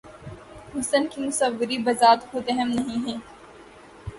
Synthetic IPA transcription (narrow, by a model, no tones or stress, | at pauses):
ɦʊsənkimʊsəʋːɪɾibɐzaːt̪hoːt̪eɦɛmnɐɦĩɦɛ̃ː